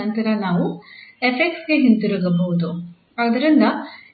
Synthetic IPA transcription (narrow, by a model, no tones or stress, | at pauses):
ɐnt̪ɐɾɐnaːʋuepek̚ʈsɡe̞ɦint̪iɾuɡɐbɐɦud̪u | ɐd̪ɐɾind̪ɐ